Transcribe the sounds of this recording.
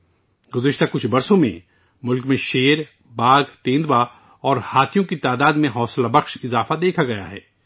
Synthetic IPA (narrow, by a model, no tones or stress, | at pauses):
ɡʊzɪʃt̪akʊt͡ʃʰbɐɾsõmḛ̃ | mʊlkmẽʃeːɾ | baːɡt̪ẽːnd̪wa | ɔːɾhaːt̪ʰijõkit̪aːd̪aːd̪mẽɦɔːslabɐxʃɪzaːfad̪eːkʰaɡɐja̰ɦɛ̰ː